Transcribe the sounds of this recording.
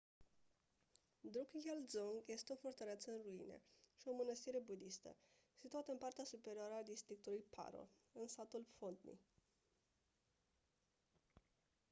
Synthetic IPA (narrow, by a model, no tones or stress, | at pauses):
d̪ɾukjeld̪zoŋɡje̞st̪eo̞fort̪əɾeeat̪səɨnruḭne̞̰ʃio̞mənəst̪iɾe̞bud̪ist̪ə̰ | sit̪uat̪əɨnpart̪easupe̞ɾioaɾəad̪ist̪ɾik̚t̪ulujpʰa̰ɾo̞̰ɨnsat̪ulfont̪nḭ